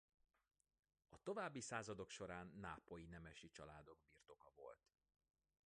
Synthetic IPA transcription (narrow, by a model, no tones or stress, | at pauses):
ɒt̪o̞vaːbːisaːzɒd̪o̞kʃo̞ɾaːnːaːpo̞jinɛmɛʃit͡ʃɒlaːd̪o̞ɡ̚birt̪o̞kɒvo̞̰lt̪